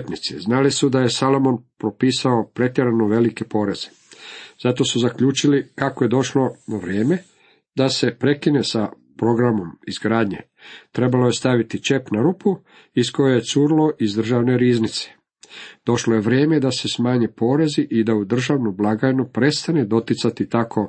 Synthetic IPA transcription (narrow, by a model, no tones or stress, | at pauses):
t̪nit̪sḭznalisud̪aje̞salo̞mo̞npɾo̞piːsao̞pɾe̞t̪jeɾanoʋe̞like̞po̞ːɾe̞z̥e | zat̪o̞suzakʎuːt͡ʃilikakoje̞d̪o̞ʃlo̞naʋɾeːme̞ | d̪ase̞pɾe̞kine̞sa | pɾo̞ɡɾamo̞mizɡɾaːd̪ɲe̞̰ | t̪ɾe̞baloje̞st̪aʋit̪it͡ʃe̞pnaɾupu | isko̞jeje̞t̪suːɾlo̞ʔizd̪r̩ʒaʋne̞ɾiːznit̪se̥ | d̪̥o̞ʃloje̞ʋɾjeːme̞d̪ase̞smaːɲe̞po̞ːɾe̞ziʔid̪aud̪r̩ʒaʋnublˠaɡajnupɾe̞st̪ane̞d̪o̞t̪it̪sat̪it̪akʰo̞